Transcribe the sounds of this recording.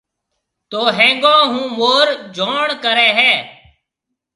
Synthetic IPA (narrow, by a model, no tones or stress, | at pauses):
t̪oːɦẽːŋɡãːɦũːmoːɾd͡ʒʱoːɳkəɾɛːɦɛː